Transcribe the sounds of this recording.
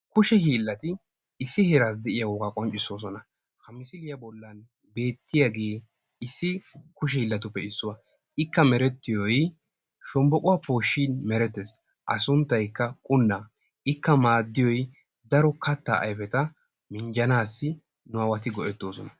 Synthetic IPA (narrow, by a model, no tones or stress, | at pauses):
kʊʃɛhiːlːɐt̪ɪ | ɪsːɪhɛɾaːs̬d̪ɛʔɪjawɔːɡaːkʼɔnt͡ʃʼːɪso̞ːs̬ɔnɐ | hɐmɪsɪlɪjɐbɔlːɐn | be̞ːt̪ːɪjaɡe̞ː | ɪsːɪkʊʃ̬ɛhiːlːɐt̪ʊpːɛɪsːʊwɐ | ɪkːɐmɛɾɛt̪ːɪjɔj | ʃɔmbɔkʼʊwapo̞ːʃːiːnmɛɾɛt̪ːes | ʔɐ̰sʊnt̪ːɐjkːɐkʼʊnːa | ɪkːɐmaːd̪ːɪjɔj | d̪ɐɾɔkɐt̪ːa̰ːʔɐ̰jfɛt̪ɐ | mɪnd͡ʒɐnaːsːɪ | nʊɐwɐt̪ɪɡɔʔɛt̪ːo̞ːsɔnɐ